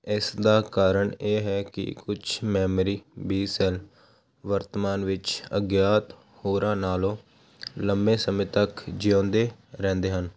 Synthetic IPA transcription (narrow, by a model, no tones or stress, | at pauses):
ɪsd̪aːkaːɾəɳeːɦɛːkɪ̰kʊt͡ʃʰmɛːmɾiːbiːsɛl | ʋəɾt̪əmaːnʋɪt͡ʃə̰ɡjaːt̪ | hoːɾãːnaːlõː | ləmbẽːsəmɪ̃ːt̪əkd͡ʒiõːnd̪eːɾɛ̃ːnd̪eːɦən